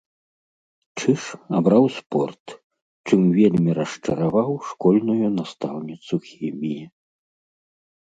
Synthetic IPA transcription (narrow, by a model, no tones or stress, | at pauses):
t͡ʂɨʂabɾawspɔrt̪ | t͡ʂɨmvʲelʲmʲiɾɐʂt͡ʂɐɾavawʂkɔlʲnujunast̪awnʲit̪suxʲɛmʲiji